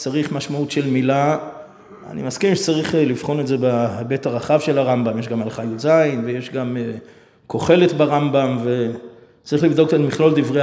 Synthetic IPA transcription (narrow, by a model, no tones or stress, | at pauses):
t͡saʁiχmaʃmautʃe̞lmila | a̰nḭmaskimʃet͡saʁiχlifχo̞ne̞zebabetaʁaχavʃe̞laʁambamjeʃɡamalχajuzainvejeʃɡame | ko̞χe̞let̪baʁambamve | t͡saʁiχlivd̪o̞ktatmiχlo̞ld̪ivʁe